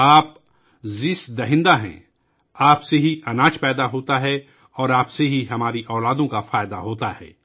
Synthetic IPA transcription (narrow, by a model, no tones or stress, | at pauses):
aːp̚ | zɪsd̪ɐɦɪ̃nd̪aɦɛ̰̃ː | aːpseɦiʔɐnaːt͡ʃpɛːd̪aɦoːt̪aɦɛ | ɔːɾaːpseɦiɦɐmaːɾiʔɔːlaːd̪õkafaːjd̪aɦoːt̪ahɛ̰ː